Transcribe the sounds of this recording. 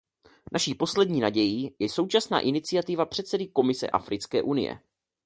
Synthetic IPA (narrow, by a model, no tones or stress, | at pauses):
nʔaʃiːpo̞slɛdɲiːnaɟɛjiːjɛso̞wt͡ʃasna̰ːʔɪnɪt͡sɪat̪ɪvapr̥ɛt̪sɛdɪko̞mɪsɛ̰ʔa̰fɾɪt͡skɛ̰ːʔunɪ̰jɛ̰